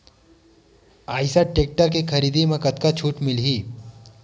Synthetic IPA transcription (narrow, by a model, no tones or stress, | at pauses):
aːjsaʈek̚ʈaɾkekʰəɾiːd̪imẽkət̪kat͡ʃʰuːʈmɪlɦiː